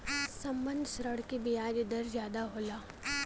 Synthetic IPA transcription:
sɐmbənd̪ʃɾəɽkibijaːd͡ʒd̪əɾzjaːd̪aɦoːlaː

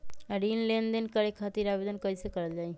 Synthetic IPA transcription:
ɾinlẽnd̪enkəɾekʰat̪iɾabed̪ənkəisekəɾəld͡ʒaːi

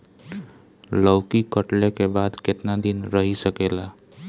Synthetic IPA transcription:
ləwkikəʈlekebaːd̪kɪt̪nad̪ɪnɾəɦisəkeːla

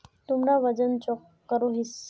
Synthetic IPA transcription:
t̪umnaʋəd͡ʒənt͡ʃɔkːəɾoɦɪs

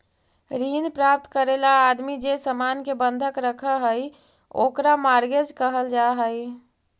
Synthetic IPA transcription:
ɾinpɾap̚t̪kəɾelaːd̪mid͡ʒesəmankebənd̪ʱəkɾəkʰəɦəj | okɾamaɾɡed͡ʒkəɦəld͡ʒaɦəj

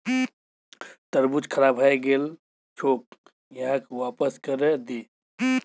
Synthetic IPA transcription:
t̪əɾbut͡ʃkʰɐɾaːbʱaːeɡeːl | t͡ʃʰoːk̚ | jɐɦãkwaːpəskəɾed̪eː

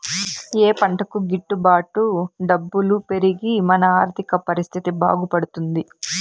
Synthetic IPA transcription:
eːpɐɳʈɐkuɡiʈːubaːʈuɖɐbːulupe̞ɾiɡimɐnɐaːɾt̪ʰikɐpɐɾist̪ʰit̪iba̰ːɡupɐɽut̪und̪i

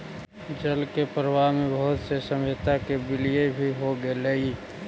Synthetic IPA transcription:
d͡ʒəlkepəɾəwamebəɦʊt̪sesəmet̪akebɪlijebʱiɦoɡelei

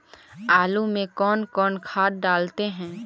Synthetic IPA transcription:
aːlumẽkɔːnkɔːnkʰaːt̪̚ɖaːlt̪eɦɛ̃ː

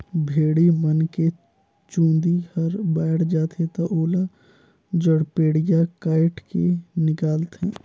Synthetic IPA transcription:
bʱeːɽimənke | t͡ʃũːnd̪ihəɾbɛːɽd͡ʒaːt̪ɦẽt̪oʔoːla | d͡ʒəɽpeːɽijakaːɪʈkenɪkaːlt̪ɦɛ̰̃ː

